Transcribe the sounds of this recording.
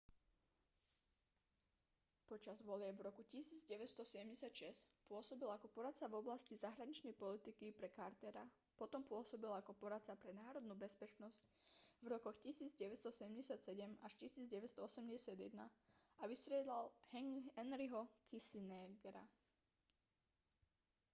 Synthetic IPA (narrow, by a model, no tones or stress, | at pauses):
pɔt͡ʃazʋɔlɪɛbvɾɔkucisiːd͡zɟɛʋɛt̪st̪ɔsɛɟɛmɟɛsɪat̪ʃɛscpʊɔsɔbilakɔpɔɾat̪t͡savɔblascizaɦɾaɲit͡ʃnɛjpɔlit̪ikipɾɛkaɾt̪ɛɾa | pɔt̪ɔmpʊɔsɔbilakɔpɔɾat̪t͡sapɾɛnaːɾɔd̪nuːbɛspɛt͡ʃnɔsc̚vɾɔkɔxcisiːd͡zɟɛʋɛst̪ɔsɛɟɛmɟɛsɪat̪sɛɟɛmaʃcisiːd͡zɟɛʋɛst̪ɔɔsɛmɟɛsɪad̪jɛ̰d̪na̰aʋist̪ɾɪɛd̪lalhɛŋɛnɾiɦɔkʰisinɛɡɾa̰